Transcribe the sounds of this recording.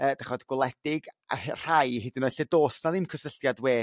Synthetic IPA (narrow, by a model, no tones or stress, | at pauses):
əːdaχɔdɡ̥ʊlˠɛd̥ɪɡa̰hr̥ajhɪdɪnɔjɬɛdoːsnaðɪmkʰəsəɬtjadweː